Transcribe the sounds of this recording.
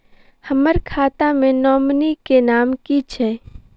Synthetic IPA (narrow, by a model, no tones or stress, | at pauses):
həməɾkʰaːt̪ãmẽnɔːmnikenaːmkit͡ʃʰɛː